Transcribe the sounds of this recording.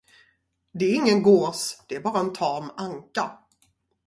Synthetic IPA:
d̪ɛæɾɪŋːənɡoːsd̪̥ɛæɾbɑːɾaɛnt̪ʰɑːmaŋka

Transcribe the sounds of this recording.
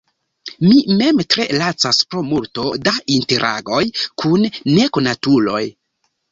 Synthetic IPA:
mime̞mtɾe̞lat͡saspɾo̞multo̞daʔinte̞ɾʔa̰ɡo̞jkʰunːe̞konatulo̞̰j

